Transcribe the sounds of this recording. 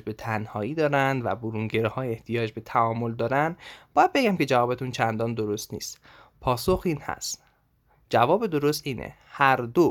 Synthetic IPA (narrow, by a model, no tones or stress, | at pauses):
d͡ʒbe̞t̪ʰænhɒːiːd̪ɒːɾænd̪væ̰boɾuŋɟeɾihɒːjeht̪ʰijɒːd͡ʒbe̞t̪ʰæɒːmo̞ld̪ɒːɾænd̪bɒːjæd̪̚be̞ɡæmcʰe̞d͡ʒævɒːbet̪ʰunt͡ʃʰænd̪ɒːnd̪o̞ɾost̪nḭːst̪ | pʰɒːsoxiːnhæ̰st̪ | d͡ʒævɒːbed̪o̞ɾost̪iːnʔḛ | hæɾd̪o